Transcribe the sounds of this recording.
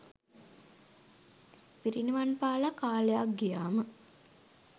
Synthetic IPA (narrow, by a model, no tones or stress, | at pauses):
piɾiniʋanpaːlakaːlejak̚ɡijaːmə